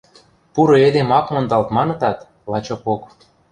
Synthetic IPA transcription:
puɾŏed̪emɑkmɤ̆nd̪ɑlt̪mɑnɤ̆t̪ɑt̪ | lɑt͡ɕopok

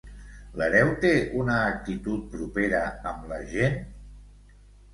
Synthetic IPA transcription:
ləɾɛwt̪eʔunəːk̚t̪it̪ut̪̚pɾupeɾəəmləʒen

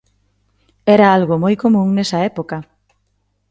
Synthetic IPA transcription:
ɛɾaalɣomojkomũŋnɛsɐɛpoka

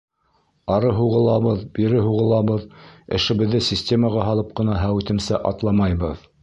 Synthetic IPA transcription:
ɑɾɤɦuʁɤ̆lˠɑβɤðbiɾɘɦuʁɤ̆lˠɑβɤðɘ̆ʃɘ̆βɘ̆ðːɘsʲisʲtʲe̞məʁɑɦɑlˠɤp̚qɤ̆nɑɦæwit̪ɘ̆msæʔɑt̪lˠɑmɑjβɤð

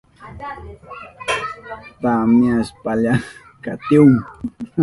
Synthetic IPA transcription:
pamiaspaʎa | ka̰t̪iuŋ

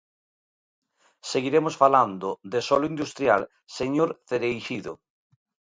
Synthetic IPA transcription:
seɣiɾemosfaland̪ʊd̪esɔlʊind̪ust̪ɾjal | seɲoɾθeɾejʃiðo̰

